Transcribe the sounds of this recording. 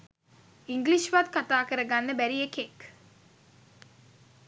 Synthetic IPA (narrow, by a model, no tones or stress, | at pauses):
iŋɡliʃʋat̪kat̪aːkəɾəɡanːəbæɾiekek